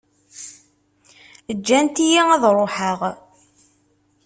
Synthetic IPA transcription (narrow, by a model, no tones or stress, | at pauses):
əd͡ʒːænt̪ijiæðɾˤoħəʁ